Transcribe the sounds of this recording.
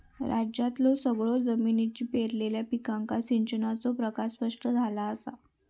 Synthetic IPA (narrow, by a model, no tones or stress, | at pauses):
ɾʔad͡ʑjat̪losəɡɭod͡zəminit͡ɕiːpeɾleljapikãŋkasiɲt͡ɕənat͡sopɾəkaspəʂʈəd͡zʱalaəsa̰